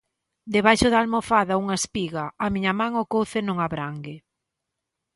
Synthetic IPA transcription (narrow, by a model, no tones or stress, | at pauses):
d̪eβajʃʊðalmofaðauŋaespiɣaamiɲɐmãŋokowθenõŋaβɾaŋɡe